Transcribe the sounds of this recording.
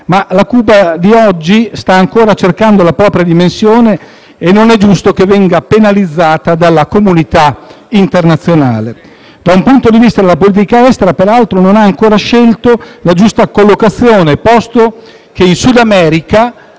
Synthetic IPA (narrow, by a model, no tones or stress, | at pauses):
malakuːbad̪iɔd͡ʒːist̪aːŋkoːɾat͡ʃerkand̪olapɾɔːpɾjad̪imensjoːneː | nːonɛd͡ʒust̪okevːɛŋɡapenalid̪zːaːt̪ad̪alːakomunit̪a | int̪ernat̪sːjona̰ːle | d̪̥aumpunt̪od̪ivist̪ad̪elːapoliːt̪̬ikaɛst̪eɾapeɾalt̪ɾononaːŋkoːɾaʃɛlt̪olad͡ʒust̪akolːokat̪sːjoːnepɔst̪o | k̟einsud̪amɛːɾika